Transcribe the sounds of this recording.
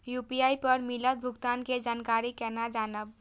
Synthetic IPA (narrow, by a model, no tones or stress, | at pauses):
jupijaipəɾmilət̪̚bʱuɡt̪anked͡ʒankaɾikɛnad͡ʒanəb̚